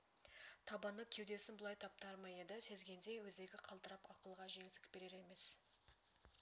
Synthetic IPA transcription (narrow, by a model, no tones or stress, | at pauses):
t̪ʰɑbɑnːəkʲʰe̞wd̪e̞sɪnbʊlˠɑjt̪ʰɑp̚t̪ɑɾmɑjed̪ɪse̞zɡʲe̞nd̪e̞wɵzd̪e̞ɡʲɪqʰɑlˠt̪əɾɑpɑqəlˠʁɑʒe̞ŋɪsɪ̥k̚ʲbe̞ɾe̞ɾe̞me̞s